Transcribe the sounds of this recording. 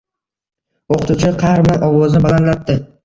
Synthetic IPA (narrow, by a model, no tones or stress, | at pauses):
oqʰɨ̥t̪ʰut͡ʃʰɪqʰɑɾmanʔɒwɒzɪbalanlap̚d̪ɪ